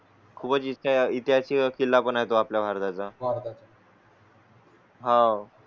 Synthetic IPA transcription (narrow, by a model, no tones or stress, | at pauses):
kʰuːbət͡siɕait̪jat͡ɕiːkilːapənaɦet̪oapljabʱaɾd̪at͡sabʱaɾd̪at͡s | ɦã